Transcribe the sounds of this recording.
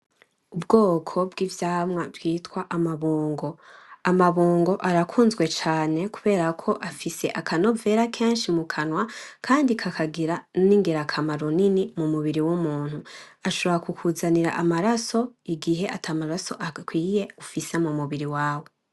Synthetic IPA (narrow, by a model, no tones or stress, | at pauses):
ubɡo̞ːkʰo̞bɡivjaːmŋavɡwiːtkwaʔamaβuːŋɡo̞amaβuːŋɡo̞ʔaɾakʰuːnzɡwe̞t͡ʃaːne̞ku̥βe̞ːɾakʰo̞ʔafise̞ʔakʰano̞ve̞ːɾakʰe̞ːnʃimukʰanwakʰaːndikʰakʰaɡiɾaniŋɡeɾakʰamaɾo̞ninimumuβiɾiwumuːn̥huaʃoβoɾakukʰuzaniɾa̰ʔamaɾaso̞iɡiɦe̞ʔatʰaːmaɾaso̞ʔakwiːje̞ufise̞mumuβiɾiwaːwe̞